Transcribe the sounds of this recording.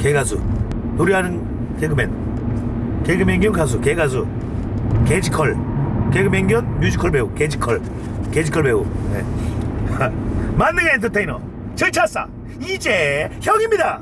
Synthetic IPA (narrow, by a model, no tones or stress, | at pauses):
keɡasṵ | t̪oɾjiɦanɯn | keɡɯmen | keɡɯmeŋɡjʌŋkʰas̬ukeɡazu | ked͡ʑikʰʌɭkeɡɯmeŋɡjʌnɲud͡ʑikʰʌɭbeuked͡ʑikʰʌɭ | ked͡ʑikʰʌɭbeunḛ | manːɯɡeent̪ʰʌtʰejnʌ̰ | t͡ɕʌɭt͡ɕʰas͈a̰ | id͡ʑeçjʌɡimɲida